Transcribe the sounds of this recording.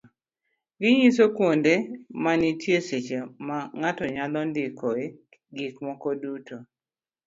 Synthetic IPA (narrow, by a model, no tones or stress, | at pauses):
ɡɪɲis̬okwondemanitʰjeset͡ʃemaŋatɔɲad̪ɔndɪkoe | ɡikmɔkɔduto